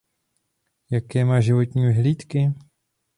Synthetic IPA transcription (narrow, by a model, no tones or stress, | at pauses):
jakɛːmaːʒɪvot̪ɲiːvɪɦliːt̪kɪ